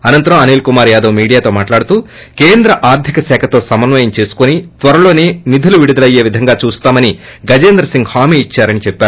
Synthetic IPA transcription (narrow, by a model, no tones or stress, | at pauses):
ɐnɐnt̪ɐɾɐmɐneːlkumaːɾjaːd̪oʋmiːɽijaːt̪o̞ːmaːʈlaːɽut̪uː | ke̞ːnd̪ɾɐʔaːɾd̪ʱjɐkɐsɛːkʰɐt̪o̞ːsɐmɐnʋɐjɐmt͡ʃe̞ːsu̥konit̪ʋɐɾɐlo̞ːne̞ːnid̪ʱɐluʋiɽud̪ɐlɐje̞ːʋid̪ʱɐŋɡaːt͡ʃuːst̪aːmɐniɡɐd͡ʒeːnd̪ɾɐsiŋɡhaːmiːit͡ʃːaːɾɐnit͡ʃɛpːaːɾu